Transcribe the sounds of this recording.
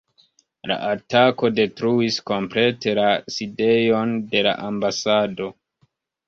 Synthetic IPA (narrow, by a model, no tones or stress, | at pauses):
la̰ʔatako̞de̞tɾuisko̞mple̞te̞laside̞jo̞nde̞la̰ʔambasado̞